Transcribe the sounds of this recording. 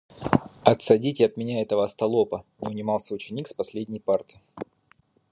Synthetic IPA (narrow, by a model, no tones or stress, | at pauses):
ɐt̪sɐdʲitʲɪɐt̪mʲɪnʲaɛt̪əvəːst̪ɐlˠo̞pənʲɪʊnʲɪmɑlˠsʲəʊt͡ɕɪnʲikspɐsʲlʲedʲnʲɪjpart̪ɨ